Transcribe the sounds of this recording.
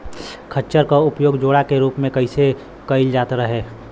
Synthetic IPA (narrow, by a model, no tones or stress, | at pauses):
kʰət͡ʃəɾkaʊpjoːɡd͡ʒoːɽakeɾuːpmẽkəɪse | kəɪld͡ʒaːt̪ɾəɦeː